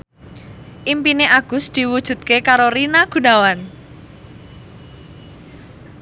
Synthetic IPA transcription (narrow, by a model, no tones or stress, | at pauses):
ʔimpineʔaɡ̥ʊsd̪̥i̤wud̥ʒ̥ṳt̪̚kekaɾoɾinaɡ̥ṳnawan